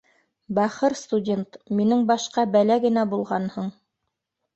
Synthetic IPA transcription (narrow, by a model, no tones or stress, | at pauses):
bæχɤɾst̪udʲe̞nt̪minɘŋbɑʃqɑbælæɡɘ̆næbulˠʁɑnhɤɴ